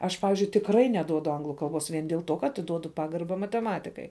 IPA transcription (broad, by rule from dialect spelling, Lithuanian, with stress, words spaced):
ˈɐʃ ˈpɑːʋʲɪzʲd͡ʒʲʊɪ tʲɪkˈrɐɪ nʲɛˈduɔdʊ ˈɐŋɡlˠʊ kɐlˠˈboːs ʋʲiɛn dʲeːlˠ ˈtuɔ kɐ ɐtʲɪˈduɔdʊ ˈpɑːɡɐrbɐ mɐtʲɛˈmɑːtʲɪkɐɪ